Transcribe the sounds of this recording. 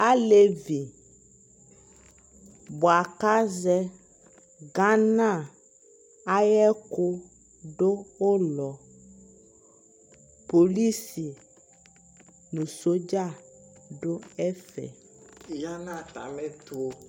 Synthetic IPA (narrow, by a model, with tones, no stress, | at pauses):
a˦le˦vi˨ | bo˨a˨ka˦zɛ˦ | ɡã˦nã˦˨ | a˦jɛ˦ko˦ | ɖo˦wo˦lɔ˨ | po˨li˦si˨ | nũ˨so˦d͡ʒa˦˨ | ɖo˦ɛ˦fɛ̰˨ | ja˦nã˦˨t̪a̰˨mɛ̃˦t̪o˦˨o˦